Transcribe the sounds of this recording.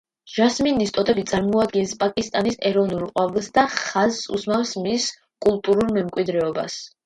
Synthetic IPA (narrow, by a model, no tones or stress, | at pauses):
ʒ̥asminist̪ʼɔt̪ʼɛbit̪sʼaɾmɔad̪ɡɛnspʼakʼist̪ʼanisɛɾɔvnulˠqʼwavɛlˠsd̪aχazsṵsmafsmis | kʼulˠt̪ʼuɾulmɛmkʼwid̪ɾɛɔba̰s